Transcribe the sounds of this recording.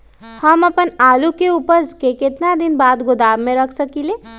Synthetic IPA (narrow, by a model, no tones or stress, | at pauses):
hɐmɐpənaːlukeuːpəɾskekɪt̪nad̪ɪnbaːd̪ɡʊd̪aːʋmẽɾɐkʰsɐkileː